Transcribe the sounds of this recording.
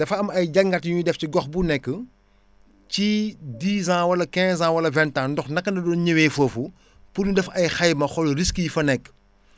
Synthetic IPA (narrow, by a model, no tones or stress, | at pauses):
dɐfɐɐmɐjɟɐŋɡɐtjujidɛfciɡɔxbunɛkːə | cidiːzãːwɐlɐkɛ̃zãːwɐlɐvɛntandɔxnɐkːɐndɐdɔnɲəwɛːfoːfu | pududɛfɐjxɐjmɐxɔlɾiskijifɐnɛkː